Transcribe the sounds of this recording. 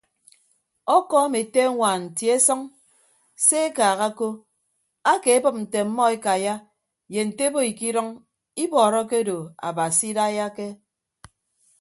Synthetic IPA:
ɔ˦kɔ˦me˨te˦ŋʷaː˨n̩˨tje˦sɔ˦ŋ | se˦e˦kaː˨ɣa˦ko˦ | a˦ke˨e˦bɨ˦p̚n̩˨te˨m̩˦mɔ˦e˦ka˨ja˦ | je˨n̩˨te˦bo˦i˨ki˦ɾɔ˦ŋ | i˦bɔː˨ɾɔ˦ke˦do˨a̰˨ba˨si˦da˦ja˦ke˦

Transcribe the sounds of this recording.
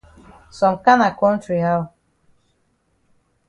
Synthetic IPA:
sɔ˨mka˦na˨kɔ̃˦ntɾi˨ɦa˦w

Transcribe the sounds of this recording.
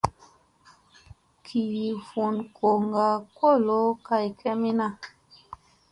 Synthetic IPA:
kʰi˨ɾi˨fu˨nko˨ŋɡa˨ko˦˨lo˦ka˨jkʰɛ˦mi˦na˦˨

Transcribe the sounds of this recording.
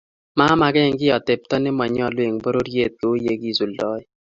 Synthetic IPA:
ma˦ma˨ɡɛ˦˨ŋɡɪ˦ɔ˨te˨p̚tɔ˦nɪ˦ma˨ɲɔ˦˨lwe˨ŋbo˦ɾo˦ɾje˦˨t̪̚kɪ˨o˦je˦ki˨su˨lɔ˦ɪ˦

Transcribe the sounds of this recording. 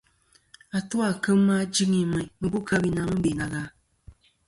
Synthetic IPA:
a˨tu˦a˨kɨ˦mː˦a˦d͡ʒi˦ŋi˨mɨ˨mɨ˨bu˦kʰa˦bi˨na˨˦mɨ˦be˨na˨ɣa˦

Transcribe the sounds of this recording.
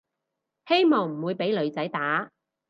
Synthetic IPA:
he˥jmɔː˨ŋm̩˨˩wuː˨˧jpe˨˥jlɵ˨˧ɥt͡sɐ˨˥jt̪aː˨˥

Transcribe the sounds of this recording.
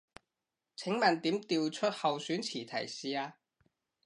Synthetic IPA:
t͡sʰɪ˨˥ŋmɐ˨˩nt̪iː˨˥mt̪iː˧wt͡ʃʰɵ˥t̚hɐ˨wsyː˨˥nt͡sʰiː˨˩t̪ʰɐ̰˨˩jsiː˨aː˧

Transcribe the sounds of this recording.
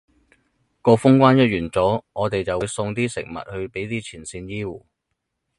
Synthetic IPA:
kɔː˧fʊ˥ŋkʷaː˥njɐ˥t̚jyː˨˩nt͡sɔː˨˥ŋɔː˨˧t̪e˨jt͡sɐ˨wu˨˧jsʊ˧ŋt̪iː˥sɪ̰˨˩ŋ̚mɐ̰˨t̚hɵ˧ɥpe˨˥jt̪iː˥t͡sʰiː˨˩nsiː˧njiː˥wuː˨˩

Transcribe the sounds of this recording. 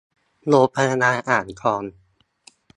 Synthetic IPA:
loː˧˥pʰa˧ja˧naː˧ʔaː˨˩nkʰɔː˧n

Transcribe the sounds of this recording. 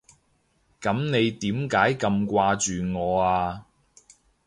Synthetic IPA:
kɐ˨˥mne˨˧jt̪iː˨˥mkaː˨˥jkɐ˧mkʷaː˧t͡ʃyː˨ŋɔː˨˧aː˧

